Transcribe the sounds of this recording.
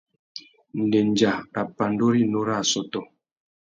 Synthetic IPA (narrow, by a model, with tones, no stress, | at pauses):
n̩˨dɛ˨ɲd͡ʒa˨a˨pa˨ndo˦ɾi˦no˦ɾa˦˨sɔ˨tɔ˨